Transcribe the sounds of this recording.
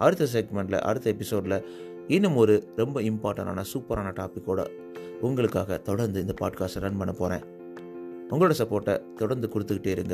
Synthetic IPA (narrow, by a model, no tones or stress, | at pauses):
ʔɐɾɯt̪ːɐs̬eːɡmɛɳʈlɐ̰ʔɐ̰ɾɯt̪ːɐɛpːɪsoːɖlɐ | ɪnːɯmɔɾɯɾɛmbɐɪmpaːɾʈːɐ̃ɳʈa̰ːnɐsuːpɐɾaːnɐʈaːpɪkːoːɽɐ̰ | ʊŋɡɐɭɯkːaːɣɐt̪ɔɽɐɾnd̪ɯɪnd̪ɐpaːɖkaːsɐɾɐnpɐɳːɐpoːɾḛ̃ː | ʊŋɡɐɭoːɽɐsɐpːoːɾʈːɐ̰t̪ɔɽɐɾnd̪ɯkʊɽɯt̪ːɯkːɪʈːeːɪɾɯŋɡɐ